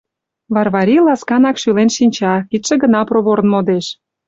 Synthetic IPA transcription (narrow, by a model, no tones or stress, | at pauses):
βɑrβɑɾʲilɑskɑnɑkʃylenʃinʲt͡ɕɑkit̪ʃĕɡə̆nɑproβoɾnmod̪eʃ